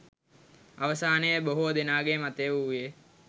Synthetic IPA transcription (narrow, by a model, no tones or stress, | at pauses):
aʋəsaːnəjəboɦud̪enaːɡemat̪eːʋuje